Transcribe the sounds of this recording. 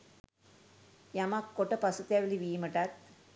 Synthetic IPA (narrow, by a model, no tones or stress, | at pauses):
jamakːoʈɐpɐsut̪aʋiliʋiːməʈɐt̪̚